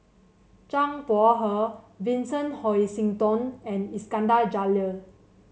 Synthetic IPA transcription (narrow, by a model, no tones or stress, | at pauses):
t͡ʃãŋpɔɦə | vĩnsə̃nhɔjsĩŋtɔ̃nɛ̃niskãndald͡ʒalə